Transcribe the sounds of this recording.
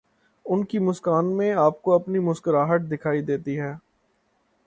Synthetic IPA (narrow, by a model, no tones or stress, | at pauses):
ʊnkimʊskaːnmẽaːp̚koɐpnimʊskəɾaːɦəʈ̚d̪ɪkʰaːid̪eːt̪iɦɛː